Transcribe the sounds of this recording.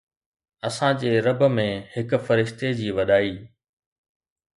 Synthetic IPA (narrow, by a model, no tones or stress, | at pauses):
ɐsãd͡ʑeːɾɐbəmẽhɪk̆fɐɾɪʃt̪ed͡ʑiːʋɐɗaːiː